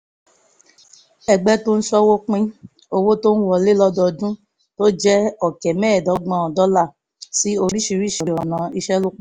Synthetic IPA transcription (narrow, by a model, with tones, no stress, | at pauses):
ɛ˧ɡ͡bɛ˦to˦n̩˦sɔ˦wo˦k͡pĩ˦ | o˧wo˦to˦n̩˦wɔ˧le˦lɔ˦dɔ˧dũ˦ | to˦d͡ʒɛ˦ɔ˨kɛ˨mɛ̃ː˦˨dɔ˨˦ɡ͡bã˦ɔ˨dɔ˦la˦˨ | si˨˦o˧ɾi˦ʃi˧ɾi˦ʃi˨ɾɔ˨nã˨i˧ʃɛ˦lo˦k͡p